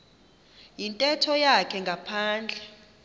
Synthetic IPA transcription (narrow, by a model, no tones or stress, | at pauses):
jintʼɛtʰɔjakʰɛŋɡʱapʰaːnd͡ɮʱɛ